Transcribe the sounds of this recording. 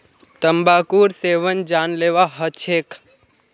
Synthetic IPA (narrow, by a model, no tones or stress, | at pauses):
t̪əmbakuɾseʋənd͡ʒanleʋaɦət͡ʃʰek